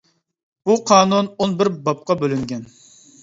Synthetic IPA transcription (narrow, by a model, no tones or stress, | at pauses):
b̥uqʰɑːnunonbɪɾbɑp̚qɑbølyŋɡʲɛn